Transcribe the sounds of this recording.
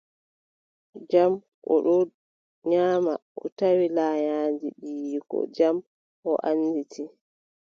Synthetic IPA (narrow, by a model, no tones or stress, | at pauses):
d͡ʒam | ʔɔɗɔ | ɲaːmaʔɔtawilaːɲaːnd͡ʒiɗiːkɔ̰d͡ʒam | ʔɔʔanːditʰi